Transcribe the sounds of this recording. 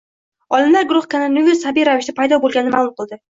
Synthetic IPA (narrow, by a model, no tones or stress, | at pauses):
ɒlˠɪmlaɾɡʊɾʊχkʰananuvʲɪsabijɾavɪʃd̪apʰajd̪ɒbolˠɡʲanːɪmalˠʊmqʰɨlˠd̪ɪ